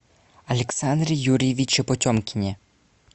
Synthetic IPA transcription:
ɐlʲɛksand̪ɾʲijuɾʲjeʋʲit͡ʃɪpɔtʲɔmkʲɪnʲi

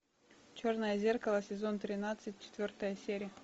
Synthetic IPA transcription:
t͡ɕornəjəzʲerkəlˠəsʲɪzo̞nt̪ɾʲɪnat̪sɨtʲt͡ɕɪ̥t̪vʲort̪əjəsʲeɾʲɪjə

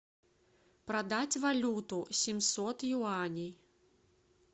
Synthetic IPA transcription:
pɾad̪at͡sʲvalʲut̪usʲimsɔt̪juanʲij

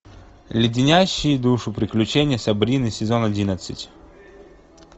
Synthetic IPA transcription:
lʲɪdʲɪnʲaɕːɪjd̪uʂʊpɾʲɪklʲʉt͡ɕenʲɪjəsɐbɾʲinɨsʲɪzo̞nɐdʲinət̪sɨtʲ

